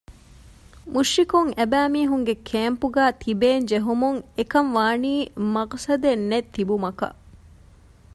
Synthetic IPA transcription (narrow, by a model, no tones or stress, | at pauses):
muʃːikuŋæbæːmiːɦuŋɡekʰeːmpuɡæːt̪ʰibeːnd͡ʒeɦumuŋekɐmʋaːniːmɐqsɐd̪enːet̪ːibumɐkɐ̰